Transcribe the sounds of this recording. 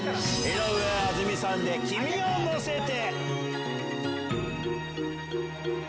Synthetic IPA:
eɾoɯaazɨmʲisãnd̪ekʲimʲiõŋːoset̪e

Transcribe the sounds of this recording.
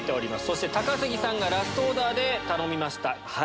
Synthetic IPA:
t̪ːe̞oɾʲimasɨ̥so̞ɕ̬i̥t̪e̞t̪akasɨɡʲisãŋɡaɾasɨ̥t̪o̞ːd̪aːd̪e̞t̪ano̞mʲimaɕi̥t̪aha

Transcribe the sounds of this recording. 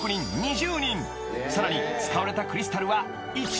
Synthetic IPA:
kɯɲʲĩnɲiʑɨːɲʲĩn | saɾaɲ̟it͡sɨ̥kaβaɾe̞t̪akɯ̟ɾʲisɨ̥t̪aɾɯ̟βa | i

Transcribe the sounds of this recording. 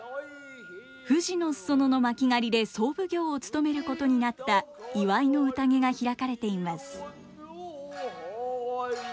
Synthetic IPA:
ɸɯ̟ʑino̞sso̞no̞no̞makʲiŋaɾʲid̪e̞so̞ːbɯ̟ɡʲo̞ːt͡sɨ̥t̪o̞me̞ɾɯ̟ko̞t̪o̞ɲ̟inat̪ːaiβaino̞ɯ̟t̪aŋe̞ɡaçiɾakaɾe̞t̪e̞imasɨ̥

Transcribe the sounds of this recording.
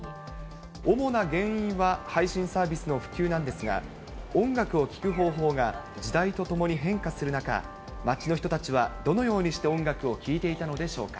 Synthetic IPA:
omo̞naɡẽ̞ɰ̃ĩɰ̃βahaiɕĩsaːbʲisɨno̞ɸɯ̟̥kʲɨːnãnd̪e̞sɨɡa̰ | õ̞ŋɡakɯo̞kʲi̥kɯ̟ɦo̞ːɦo̞ːɡa | d͡ʑid̪ait̪o̞t̪o̞mo̞ɲ̟iɦẽ̞ŋkasɨɾɯ̟naka̰ | mat͡ɕino̞çi̥t̪o̞t̪at͡ɕiβad̪o̞no̞jo̞ːɲ̟iɕi̥t̪e̞õ̞ŋɡakɯ̟o̞kʲiːt̪e̞it̪ano̞d̪e̞ɕo̞̰ːkḁ̰

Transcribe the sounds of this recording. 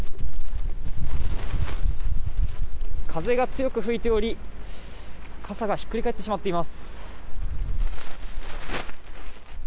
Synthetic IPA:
kʰaze̞ɡat͡sɨjo̞kɯ̟ɸɯ̟it̪e̞o̞ɾʲi | kʰasaɡaçi̥kːɯ̟ɾʲikae̞t̪ːe̞ɕimat̪ːe̞imasɨ̥

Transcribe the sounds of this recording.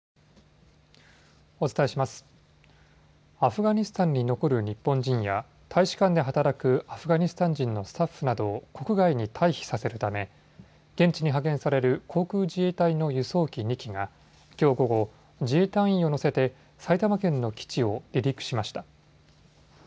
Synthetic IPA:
o̞t͡sɨ̥t̪ae̞ɕimasɨ̥ | aɸɯ̟ɡaɲ̟isɨ̥t̪ãɲ̟ːino̞ko̞ɾɯ̟ɲ̟ipːõ̞ɲd͡ʑĩɰ̃ja̰ | t̪ʰaiɕi̥kãnd̪e̞ɦat̪aɾakɯ̟aɸɯ̟ɡaɲ̟isɨ̥t̪ãɲ̟d͡ʑĩnːo̞sɨ̥t̪aɸːɯ̟nad̪o̞ːko̞kɯ̟ɡaiɲ̟it̪ʰaiçi̥sase̞ɾɯ̟t̪ame̞ | ɡ̥ẽ̞ɲ̟t͡ɕiɲ̟iɦakẽ̞ɰ̃saɾe̞ɾɯ̟kʰo̞ːkɯ̟ːd͡ʑie̞ːt̪aino̞jɯso̞ːkʲiɲ̟ʲikʲiŋa | kʲo̞ːɡo̞ɡo̞ | d͡ʑiet̪ãɰ̃ĩo̞no̞se̞t̪e̞ | sait̪amakẽ̞nːo̞kʲi̥t͡ɕio̞ɾʲiɾʲikɯ̟̥ɕimaɕi̥t̪a

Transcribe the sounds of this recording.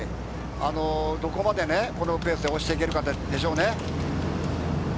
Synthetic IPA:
ano̞d̪o̞ko̞mad̪e̞neko̞no̞pe̞ːsɨd̪eoɕi̥t̪e̞ike̞ɾɯ̟kat̪ːd̪e̞ɕo̞ːne

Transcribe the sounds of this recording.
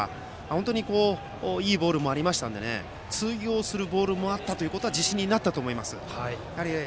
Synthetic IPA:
hont̪o̞ɲ̟iko̞ː | iːbo̞ːɾɯ̟moaɾʲimaɕi̥t̪ãnd̪e̞ne̞̰ | t͡sɨjo̞ːsɨɾɯ̟bo̞ːɾɯ̟mo̞at̪ːat̪oiɯ̟ko̞t̪oad͡ʑiɕĩɲ̟ːinat̪ːat̪o̞ːmo̞imasɨ̰hai | aɾʲi

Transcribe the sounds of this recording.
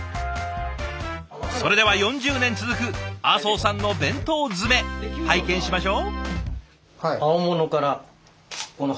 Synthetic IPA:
so̞ɾe̞d̪e̞βajõ̞ɲ̟d͡ʑɨːnẽ̞nt͡sɨzɨkɯ̟aːso̞ːsãnːo̞bẽ̞nt̪o̞ːd͡zɨme̞haikẽ̞ɰ̃ɕimaɕo̞ː | aomonokaɾa | kono

